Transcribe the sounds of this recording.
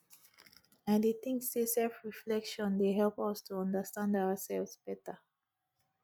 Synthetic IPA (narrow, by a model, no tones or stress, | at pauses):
ãndeθɪ̃ŋksdesɛlfɹiflɛkʃɔ̃ndeɦɛlpʌstʰuʌ̃ndəstãndaʊəsɛlˠvsb̥ɛtə